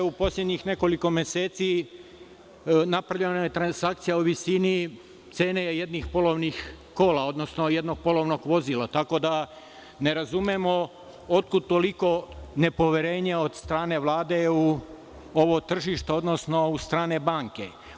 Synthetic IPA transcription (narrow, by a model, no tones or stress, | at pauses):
upo̞slʎed̪ɲixne̞ko̞liko̞mjeseːt̪si | napɾaʋʎenojet̪ɾansakt̪sijauʋisini | t̪se̞ːnejed̪nixpo̞loʋnix | ko̞ːlao̞d̪no̞sno̞je̞d̪no̞ɡ̚po̞lo̞ʋno̞ɡʋo̞zilˠat̪ako̞d̪a | ne̞ɾazumjemo̞ | ot̪̚kud̪̚t̪o̞liko̞ne̞po̞ʋjeɾe̞ːɲeo̞d̪st̪ɾaːne̞ʋlˠaːd̪e̞u | o̞ʋot̪r̩ʒiʃt̪eo̞d̪no̞sno̞ust̪ɾaːne̞baːŋke